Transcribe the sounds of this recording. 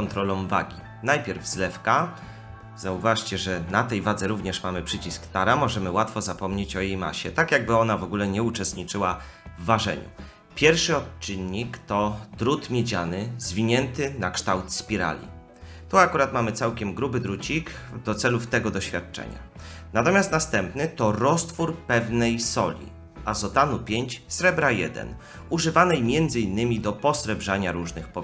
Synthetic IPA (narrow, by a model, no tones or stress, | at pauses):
kɔnt̪ɾɔlɔ̃w̃va̰ɡʲi | najpʲɛɾvzlɛfka | z̥auvaʂt͡ɕɛʐɛnat̪ɛjvad̪zɛɾuvɲɛʂmamɘpʂɘt͡ɕiskt̪aɾamɔʐɛmɘwat̪fɔzapɔmɲet͡ɕɔjejma̰ɕɛt̪akjaɡ̚bɘɔnavɔɡulɛɲɛut͡ʂɛst̪ɲit͡ʂɘwa | vːaʐɛ̰ɲṵ | pʲjɛɾfʂɘɔt͡ʂɘɲːikt̪ɔd̪ɾut̪mʲjed͡ʑanɘzvʲiɲɛnt̪ɘnakʂt̪awt̪spʲiɾa̰lʲḭ | t̪uakuɾat̪mamɘt̪sawkʲɛmɡɾubɘd̪ɾut͡ɕik | d̪ɔt̪sɛluft̪ɛɡɔd̪ɔɕfʲjat̪̚t͡ʂɛ̰ɲa̰ | nat̪ɔmʲjast̪nast̪ɛmpnɘt̪ɔɾɔst̪fuɾpɛvnɛjsɔlʲḭ | ʔazɔt̪anupʲjeɲt͡ɕsɾɛbɾajɛ̰d̪ɛ̰n | uʐɘvanɛjmʲjɛnd̪zɘinːɘmʲid̪ɔpɔsɾɛbʐaɲaɾuʐnɘxpɔ